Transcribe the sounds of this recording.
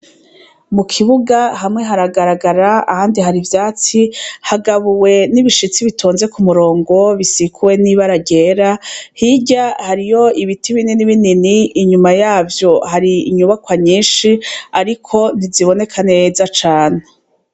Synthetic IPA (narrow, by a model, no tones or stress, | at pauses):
mukʰiβuɡaɦamŋe̞ɦaɾaɡaɾaɡaɾaahaːndiɦaɾivjaːt͡sihaɡaβuwe̞niβiʃit͡siβitʰoːnze̞kumuɾo̞ːŋɡo̞βisikʰuwe̞niβaɾaɟeːɾahiɟahaɾijo̞iβitiβininiβininiːɲumajaːvjo̞haɾiːɲuβakwaɲiːnʃiaɾikʰo̞niziβo̞ne̞kʰane̞zat͡ʃaːne